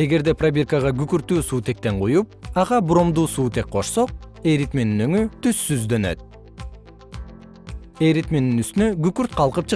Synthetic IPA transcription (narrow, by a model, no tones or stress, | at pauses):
e̞ɡe̞ɾd̪e̞prabʲerkəʁɑɡykyɾt̪yːsuːt̪e̞k̚t̪e̞ɴqujup̚ɑʁɑbuɾo̞md̪uːsuːt̪e̞k̚qʰo̞ʃso̞q̚e̞ɾit̪meninøŋyt̪ysːyzd̪ø̞nø̞̰t̪̚ | e̞ɾit̪meninyst̪ynøɡykyɾt̪̚qʰɑlˠqɯp̚t͡ʃʰɨ